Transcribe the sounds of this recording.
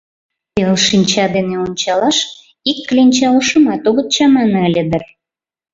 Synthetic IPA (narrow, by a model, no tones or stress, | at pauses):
pelʃinʲt͡ɕɑd̪eneonʲt͡ɕɑlɑʃ | ikːlʲinʲt͡ɕɑləʃə̆mɑt̪oɣə̆t̪t͡ɕɑmɑnəlʲed̪ər